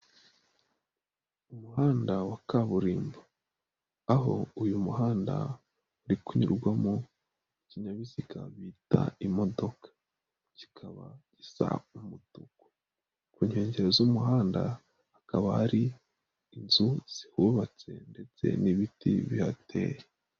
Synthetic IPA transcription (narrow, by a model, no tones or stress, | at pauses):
umuɦaːndawakaβuɾiːmbaː | ɦo̞̰ujumuɦaːnda̰ | uɾikuɲṵɾɡwamo | iciɲaβisikʰa̰βita̰imo̞do̞kḁ | ci̥kʰaβa̰ɟisa̰umutuɡo | kuːɲeːɲɟeɾozumuɦaːnda̰ | hakaβahaɾiː | nzuz̥ihuβat͡se̞̰nde̞t͡se̞̰niβitḭβihatʰe̞̰ːje